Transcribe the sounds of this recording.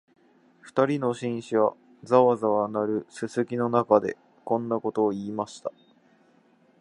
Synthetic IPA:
ɸɯ̟̥t̪aɾʲino̞ɕĩɰ̃ɕiβa̰ | d͡zaβazaβanaɾɯ̟sɨsɨkʲino̞nakad̪e̞ | kõ̞nːako̞t̪o̞ːiːmaɕi̥t̪a

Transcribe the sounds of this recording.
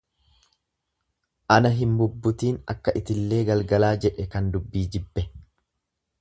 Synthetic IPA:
ʔɐnɐɦɪmbʊbːʊt̪iːnɐ̰kːɐʔɪt̪ɪlːe̞ːɡɐlɡɐlaːd͡ʒɛᶑɛkɐnd̪ʊbːiːd͡ʒɪbːɛ

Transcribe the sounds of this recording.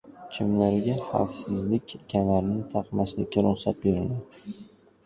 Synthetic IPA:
t͡ʃʰɪmlaɾɡʲaha̰fsɪzlɪkʲːʰamaɾnɪt̪ʰɑqmaslɪkʲːaɾʊχsat̪̚beɾɪlaɾ

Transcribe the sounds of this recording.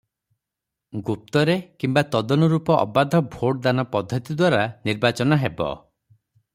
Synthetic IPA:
ɡup̚t̪ɔɾekimbat̪ɔd̪ɔnɔɾupɔʔɔ̰bad̪ʱɔbʱoɽd̪anɔpɔd̪ʱɔt̪id̪waɾaniɾbat͡ʃɔnɔɦebɔ̰

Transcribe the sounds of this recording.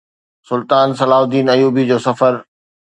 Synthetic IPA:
sʊlt̪aːnsɐlaːɦʊd̪iːnɐjuːbid͡ʑoːsɐfəɾ

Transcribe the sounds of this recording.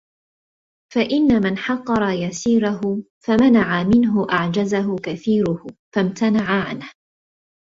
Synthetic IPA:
faʔɪnːamanħɑqːɑɾˤɑjasiːɾaɦʊ | famanaʕamɪnɦʊʔaʕd͡ʒazaɦʊkaθiːɾʊhfamt̪ʰanaʕaʕanh

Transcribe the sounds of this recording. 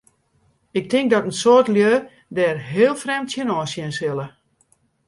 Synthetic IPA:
ɪk̚tʰɪŋk̚dɔtənsotljøː | dɛːrɦeːlˠfrɛmtsjənɔːsjɪnsɪlˠə

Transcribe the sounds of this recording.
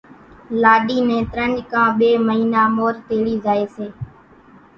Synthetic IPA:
laːɗiːnẽːt̪ɾənd͡ʒkãːɓeːməɦiːnaːmoːɾt̪eːɽiːzaːeːseː

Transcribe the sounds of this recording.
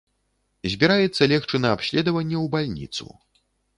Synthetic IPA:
zʲbʲiɾajɛt̪sːɐlʲɛxt͡ʂɨnɐapɕʲlʲɛd̪ɐvɐnʲːɛwbalʲnʲḭt̪sṵ

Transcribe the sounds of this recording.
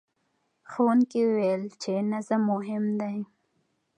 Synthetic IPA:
xownkeuwejlt͡ʃenazamʊɦɪmd̪aj

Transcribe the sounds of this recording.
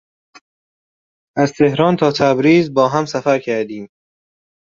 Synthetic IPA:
ʔæzt̪ʰehɾɒːnt̪ʰɒːt̪ʰæbɾiːzbɒːɦæmsæfæɾcʰæɾd̪iːm

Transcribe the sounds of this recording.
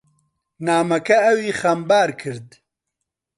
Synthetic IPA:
naːmɐkɐɐwiːxɐmbaːɾkʰɨɾd̪

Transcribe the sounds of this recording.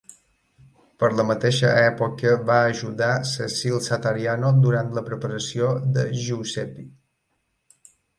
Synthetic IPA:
pəɾləmət̪eʃəɛpokəβaəʒuðasəsilˠsat̪aɾianod̪uɾant̪ləpɾəpəɾəsiod̪əʒusɛpi

